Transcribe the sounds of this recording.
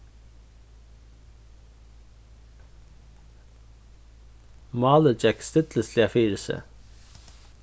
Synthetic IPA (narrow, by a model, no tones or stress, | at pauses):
mɑːləd͡ʒɛkst̪ɪt̪ləsliɑfiːɾəsə̰